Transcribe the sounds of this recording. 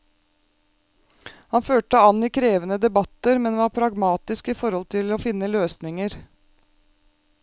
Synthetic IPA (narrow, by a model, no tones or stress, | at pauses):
hɑnføːʈəɑniːkʰɾeːʋənəd̪ɛbɑt̪əɾmɛnʋɑːɾpʰɾɑɡmɑːt̪ɪskiːfɔɾhɔlt̪ʰɪloːfɪnːəløːsnɪŋəɾ